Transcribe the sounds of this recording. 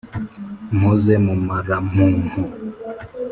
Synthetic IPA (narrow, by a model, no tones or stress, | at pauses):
mɔzɛmumaɾamũhɔ